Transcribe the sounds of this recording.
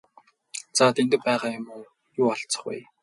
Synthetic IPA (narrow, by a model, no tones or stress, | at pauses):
t͡saːt̪ʰent̪ɘ̆k̚pæːʁaːjʊmuː | jʊːaɬt͡sə̥̆χṵj